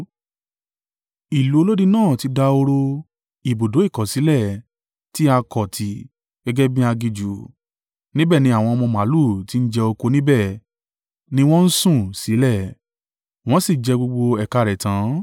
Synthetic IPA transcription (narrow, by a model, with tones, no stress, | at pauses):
i˨lu˨˦o˧˦lo˦di˦nãː˦˨ti˧˦da˧o˧ɾo˧ | i˨bo˨do˨˦i˦˨kɔ̃˨si˨˦lɛ˦˨ | ti˦a˧kɔ˨tʰi˨˧ | ɡ̥ɛ˦ɡɛ˦bĩ˦a˧ɡi˧d͡ʒu˨ | nĩ˦bɛ˦˨nĩ˦a˦˨w̃ɔ̃˧ɔ˧mɔ̃˧ma˨˦lu˦˨ti˨˦n̩˦d͡ʒɛ˧o˧ko˧nĩ˦bɛ˦˨ | nĩ˦w̃ɔ̃˦n̩˦sũ˦˨si˨˦lɛ˦˨ | w̃ɔ̃˦si˦˨d͡ʒɛ˧ɡ͡bo˧ɡ͡bo˧ɛ˨ka˧˨ɾɛ˨tã˨˦